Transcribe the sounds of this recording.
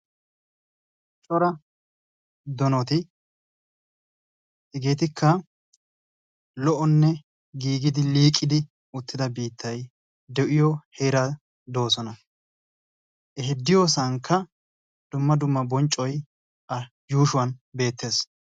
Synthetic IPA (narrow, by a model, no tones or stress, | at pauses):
t͡ʃʼɔɾɐ | d̪ɔnɔt̪ɪ | ɛɡeːt̪ɪkʰːɐ | lɔʔɔnːɛ | ɡiːɡɪd̪ɪliːkʼːɪd̪ɪ | ʊt̪ːɪd̪ɐbiːt̪ʰːɐj | d̪ɛʔɪjɔheːɾa | d̪o̞ːsɔnɐ | ʔɛɦɪd̪ːɪjo̞ːs̬ɐŋkʰːɐ | d̪̥ʊmːɐd̪ʊmːɐbɔnt͡ʃʼːɔj | ɐ | juːʃʊwɐnbe̞ːt̪ːe̞ːs